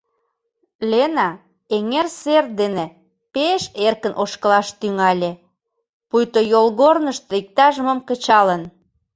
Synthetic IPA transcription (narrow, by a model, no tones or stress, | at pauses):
lʲenɑ | eŋerser̚d̪ene | peʃerkə̆nʔoʃkəlɑʃt̪yŋɑlʲĕ | pujt̪ojolɣornəʃt̪oik̚t̪ɑʒəməmkə̆t͡ɕɑlən